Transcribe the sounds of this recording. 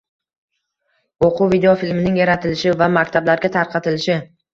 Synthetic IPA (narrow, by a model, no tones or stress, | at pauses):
oqʰʊvid̪eofilmɪnɪŋjaɾat̪ʰɪlɪʃɪvamakʲt̪ʰablaɾɡʲat̪ʰaɾqʰɑt̪ʰɪlɪʃɪ